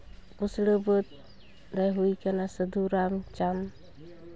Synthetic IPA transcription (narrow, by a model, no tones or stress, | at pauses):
busɽəbət̪̚ | ɾɛɦujkanasəd̪uɾamt͡ʃam